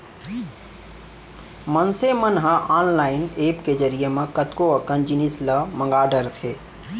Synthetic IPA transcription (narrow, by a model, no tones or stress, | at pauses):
mənsemənɦə̃ʔaːnlaːɪnepked͡ʒəɾijemẽkət̪koəkənd͡ʒinisləmə̃ŋɡaːɖəɾt̪ʰe